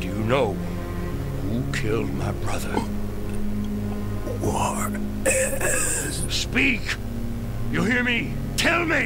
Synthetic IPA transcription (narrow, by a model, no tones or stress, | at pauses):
d̥ɨjɨnoʊ | hukʰɪlˠd̚maɪbɹʌðə˞ | wʌ | spik | jɨlˠhiɹmi | tʰɛlˠmi